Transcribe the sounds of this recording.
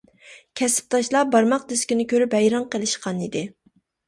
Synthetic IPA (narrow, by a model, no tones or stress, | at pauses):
kʲʰɛsɪ̥p̚t̪ʰɑʃlˠɑbɑɾmɑq̚d̪ɪskʲinɪkʲʰøɾypɛjɾɑŋqəlˠɨʃqɑnid̪ɪ